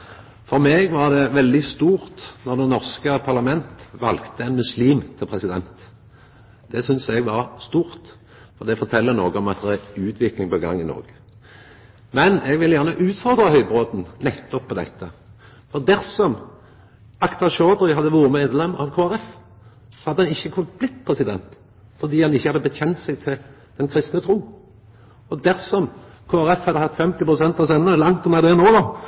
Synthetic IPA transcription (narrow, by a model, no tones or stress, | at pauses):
fɔɾmeːɡʋɑʁd̪ɛʋɛld̪ɪst̪uːʁt̪nɔʁd̪ɛnɔʁskəpʰɑʁlɑmɛnt̪ʋɑlɡt̪əɛnmʉsliːmt̪ʰɪlpʰʁɛsɪd̪ɛnt̪ | d̪̥ɛsʏnsɛɡʋɑɾst̪uːɾt̪ | fɔɾd̪ɛfɔɾt̪ʰɛlːənoːɡəɔmɑt̪̚d̪ɛʁæʉːt̪ʰʋɪklɪŋpɔɡɑ̰ŋːɪnɔ̰ɾɡə | mɛnɛɡʋɪljæʁnəʔʉːt̪fɔʁd̪ɾəhœʏbɾoːd̪n̩nɛt̪ːɔpʰːɔd̪ɛ̰t̪ːə | fɔʁd̪æʁsɔm | ɑkt̪ɑɕoːd̪ɾɪɦɑd̪ːəʋuːɾəmeːd̪lɛmːɑʋkʰoːæɾɛf | sɔhɑd̪ːəɛnɪçːəkʰʉnət̪̚b̥lɪt̪ːpʰʁɛsɪd̪ɛ̰nt̪ | fɔd̪iːhɑnɪçːəhɑd̪ːəbəçɛnt̪sɛɡ̚t̪ʰɪl | d̪̥ɛnkʰɾɪst̪nət̪ʰɾuː | ɔd̪æʁsɔm | kʰoːæɾɛfhɑd̪əhɑt̪ːfɛmt̪ɪpʰʁʊsɛnt̪ɑsɛnːəlɑŋt̪ɔnɛd̪eːnoːdɔ